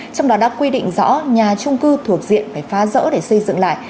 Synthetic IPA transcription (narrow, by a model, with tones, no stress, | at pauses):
t͡ɕɔ˧wŋ͡mɗɔ˨˦ɗa̰ː˧˥kwi˧ɗḭ˧˨ŋ̟zɔ̰˧˥ɲaː˨˩t͡ɕʊ˧ŋ͡mkɨ˧t̪ʰu˧˩ək̚zḭ˧˨ənfaː˨˩jfaː˨˦zə̰ː˧˥ɗe˨˩sə˧jzɨ̰˧˨ŋla̰ː˧˨j